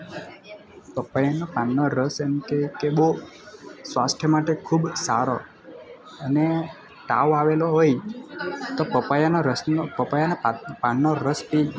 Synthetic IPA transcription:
pəpajanopanːoɾəsemkekeɓo | sʋasʈʰjəmaʈekʰubsaɾo | əne | ʈa̰ʋaʋeloɦoj | t̪opəpajanpəpajanapanːoɾəspi

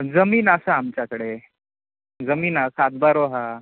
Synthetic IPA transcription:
d͡zəmiːnəsaamt͡ɕjakəɽe | d͡zəmiːnasat̪̚baɾoɦa

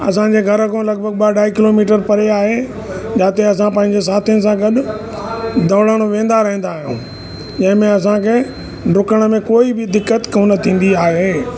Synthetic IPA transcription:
ɐ̰sãɲd͡ʑeɡʱɐɾəkõlɐɡ̚bʱəɡ̚ɓaɖaːikɪlomiːʈəɾpɐɾeaːɦe | d͡ʑaːt̪eɐs̬ãpɐ̃ɦɪ̃ɲd͡ʑes̬aːt̪ʰijnɪs̬ãɡɐɗ | d̪ɐ̃ːɽəɽ̃oʋẽːnd̪aɾɐɦĩnd̪aːɦijṵ̃ː | d͡ʑɐ̃ɦɪ̃mẽɐs̬ãkʰeː | ɖʊkəɽ̃ə̆mẽkoːibɪd̪ɪkːət̪kɐnɐt̪ʰĩːn̆d̪iaːɦeː

